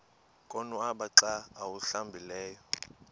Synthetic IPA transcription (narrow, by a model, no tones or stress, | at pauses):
kʼɔnuaɓaǁaːwuɬambʱilɛːjɔ